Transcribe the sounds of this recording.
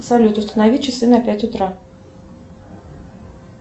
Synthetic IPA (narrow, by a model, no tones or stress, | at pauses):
salʲut̪ust̪ɐnavʲit͡ʃɨsɨnɐpʲat͡sʲut̪ɾa